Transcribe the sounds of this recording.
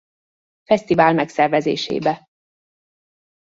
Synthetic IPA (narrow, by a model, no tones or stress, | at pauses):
fɛst̪ivaːlmɛksɛrvɛzḛːʃḛːbɛ